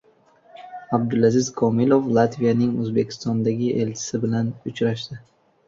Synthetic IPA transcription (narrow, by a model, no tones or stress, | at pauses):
abd̪ʊlazɪzkʰɒmiloflˠat̪vijanɪŋɵzbe̞kʲʰɪ̥st̪ɒnd̪aɡʲɪʔe̞lt͡ʃʰɪ̥sɪbɪlanʊt͡ʃɾaʃd̪ɪ